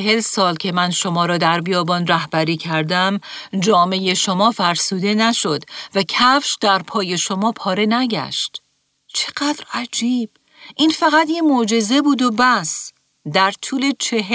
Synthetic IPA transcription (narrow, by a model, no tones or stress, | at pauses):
eɦe̞lsɒːlcʰe̞mænʃo̞mɒːɾɒːd̪æɾbijɒːbɒːnræhbæɾiːcʰæɾd̪æmd͡ʒɒːme̞je̞ʃomɒːfæɾsuːd̪e̞næʃo̞d̪væcʰæfʃd̪æɾpʰɒːje̞ʃo̞mɒːpʰɒːɾe̞næɟæ̰ʃt̪ | t͡ʃʰe̥ɡæd̪̥ɾæd͡ʒiːb̥̚ | ʔiːnfæɣæt̪jemod͡ʒe̞ze̞buːd̪obæs | d̪æɾt̪ʰuːle̞t͡ʃʰeɦ